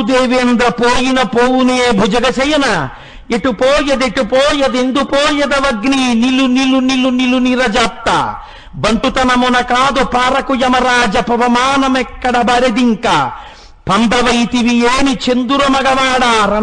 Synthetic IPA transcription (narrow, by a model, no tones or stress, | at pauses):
ud̪eːʋeːnd̪ɾɐpoːjinɐpoːwuneːbʱud͡ʒɐɡɐt͡ʃɐjɐnɐ | eʈupoːjɐd̪eʈupoːjɐd̪end̪upoːjɐd̪ɐʋɐɡniniluniluniluniluniɾɐd͡ʒap̚t̪ːɐ̰ | bɐɳʈut̪ɐnɐmunɐkaːd̪upaːɾɐkujɐmɐɾaːd͡ʒɐpɐʋɐmaːnɐmɛkːɐɽɐbɐɾed̪iŋkɐ | pʰɐnd̪ɐʋɐjt̪iʋijeːnit͡ʃend̪uɾɐmɐɡɐʋaːɽaːɾɐ